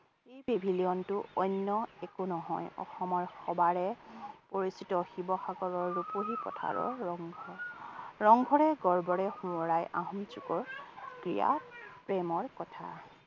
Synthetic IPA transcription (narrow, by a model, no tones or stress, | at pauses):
ejbibʱiliɔntʊɔjnːɔɛkunɔɦɔjɔ̰xɔmɔɹxɔbaɹɛpoɹisitɔxibɔxaɡɔɹɔɹːupoɦipɔ̰tʰa̰ɹɔ̰ɹɔŋɡʱɔɹɔŋɡʱɔɹɛɡɔɹbɔɹɛxũɔɹajʔaɦɔmsukɔɹkɹija̰pɹɛmɔɹkɔtʰa